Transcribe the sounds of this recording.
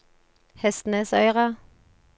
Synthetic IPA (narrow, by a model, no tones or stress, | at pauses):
hɛst̪n̩əsœʏʁɑ